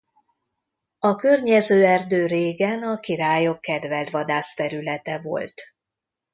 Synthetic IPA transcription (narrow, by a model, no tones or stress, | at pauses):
ɒkørɲɛzøːɛrd̪øːɾeːɡɛnɒkiɾaːjo̞kːɛd̪vɛld̪ʋɒd̪aːst̪ɛɾylɛt̪ɛvo̞̰lt̪